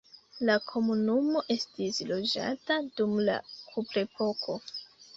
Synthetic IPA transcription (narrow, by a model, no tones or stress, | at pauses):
lakʰo̞munumo̞ʔe̞stislo̞d͡ʒa̰tadumla̰kʰupɾe̞pʰo̞kʰo̞